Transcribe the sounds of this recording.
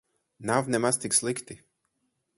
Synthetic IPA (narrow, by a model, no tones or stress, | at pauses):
navnɛmast̪ikslikt̪i